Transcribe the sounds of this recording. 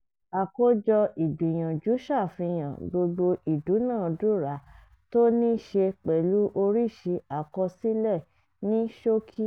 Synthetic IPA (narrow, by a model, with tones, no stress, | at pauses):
a˨ko˦d͡ʒɔ˧i˨bi˨j̃ã˨d͡ʒu˨˦ʃa˦˨fĩ˧j̃ã˨ɡ͡bo˧ɡ͡bo˧i˨du˨˦nãː˦˨˧du˦˨ɾa˨˦ | to˦nĩ˦ʃe˧k͡pɛ˨lu˨˦ʔo˧ɾi˦˨ʃe˧a˨kɔ˧si˦lɛ˦˨ | nĩ˦ʃo˦kʰi˦